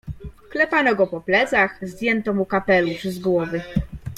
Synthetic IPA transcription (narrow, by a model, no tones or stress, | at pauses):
klɛpanɔɡɔpɔplɛt̪saxzd̪ʲjɛnt̪ɔmukapɛluʂzɡwɔvɘ